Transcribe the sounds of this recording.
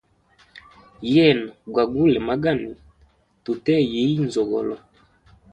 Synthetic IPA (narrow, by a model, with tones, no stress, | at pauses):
jɛ˦˨na˨ɡwa˨ɡu˦lɛ˨ma˦ɡa˦˨ni˨ | tu˨tɛ˦je˨˦i˦n˨zɔ˨ɣɔ̰˨lɔ˨